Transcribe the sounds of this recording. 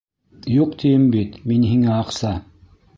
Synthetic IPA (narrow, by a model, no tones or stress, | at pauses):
juqt̪ʰijɘmbit̪minɦiŋæɑqsɑ